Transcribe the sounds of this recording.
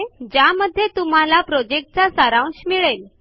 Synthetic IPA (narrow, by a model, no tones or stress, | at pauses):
d͡ʑaməd̪ʱːjet̪um̤alapɾod͡ʑek̚ʈ̚t͡sasaɾãw̃ɕmiɭel